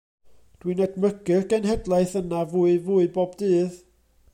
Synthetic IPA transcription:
d̥winɛdməɡɨrɡɛnɦɛdlˠajθənavuːɨvuːɨbɔbdɨːð

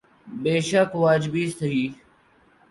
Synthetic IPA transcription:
beːʃəkʋaːd͡ʒɪbiːst̪əɦiː

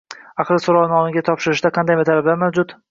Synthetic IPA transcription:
ɑqɾɪsoɾɒwnɒnɪɡʲat̪ʰɒpʃɪɾɪʃd̪aqʰɑnd̪ajmɪt̪ʰalablaɾmawd͡ʒʊt̪

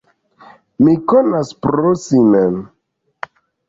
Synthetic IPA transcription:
mikonaspɾosimem

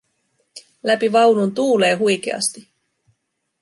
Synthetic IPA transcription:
læpiʋɑwnunt̪uːle̞ːɦujk̟ḛɑ̰st̪i

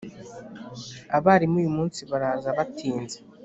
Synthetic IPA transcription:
aβaːɾimuːjumuːnsiβaɾaːzaβatʰiːnze

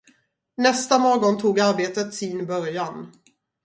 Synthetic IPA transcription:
nɛst̪amoːɡɔnt̪ʰuːɡaɾbeːt̪ət̪sɪnbœɾjan

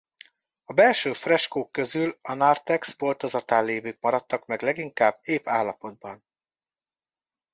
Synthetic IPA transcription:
ɒbɛlʃøːfrɛʃkoːkːø̞zylɒnart̪ɛksbort̪o̞zɒt̪aːnleːvyːkmɒɾɒt̪ːɒkmɛɡlɛɡiŋkaːbeːpaːlːɒpo̞d̪̚bɒn

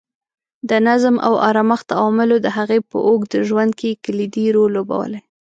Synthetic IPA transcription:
d̪ənazmʔa̰wa̰ɾamaxt̪awɑmɪlod̪əɦaɣepə̰ʔokd̪əʒwand̪̚kekəlid̪iɾolːoba̰wə̰le

